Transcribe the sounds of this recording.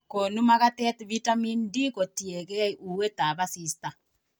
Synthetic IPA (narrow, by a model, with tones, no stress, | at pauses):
ko˨nu˦ma˦ɣatɛ˦tvitami˦ndi˦ko˨tje˨ɣɛ˦iʔu˨we˦ta˨βa˦si˦sta˨